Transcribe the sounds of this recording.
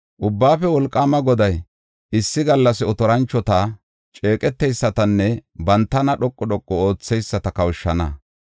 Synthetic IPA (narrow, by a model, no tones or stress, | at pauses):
ʔʊbːaːfɛwɔlkʼːaːmɐɡɔd̪ɐj | ɪsːɪɡɐlːɐsɪɔt̪ɔɾɐnt͡ʃːɔt̪ɐ | t͡ʃʼe̞ːkʼɛt̪ːɛjsːɐt̪ɐnːɛbɐnt̪ːɐnɐɗɔkʼːɔɗɔkʼːɔo̞ːt͡sːɛjsːɐt̪ɐkɐwʃːɐnɐ